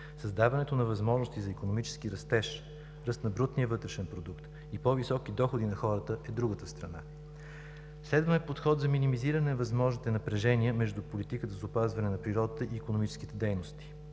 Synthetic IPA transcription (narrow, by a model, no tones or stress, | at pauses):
sɐzd̪avɐnɛt̪onɐvɐzmɔʒnost̪izɐikonomit͡ʃɛ̥sk̟iɾɐst̪ɛʃ | ɾəst̪nɐbɾut̪nijəvɤt̪ɾɛʃɛnpɾod̪ukt̪ | ipɔvisɔkid̪ɔxod̪inɐxɔɾət̪əʔɛd̪ɾuɡət̪əst̪ɾɐna | slɛd̪vəmɛpot̪xɔt̪zɐminimiziɾɐnɛɐvɐzmɔʒnit̪ɛnɐpɾɛʒɛniəmɛʒd̪upolit̪ikət̪əzopazvɐnɛnɐpɾiɾɔd̪ət̪əʔiːkonomit͡ʃɛ̥sk̟it̪ɛd̪ɛjnost̪i̥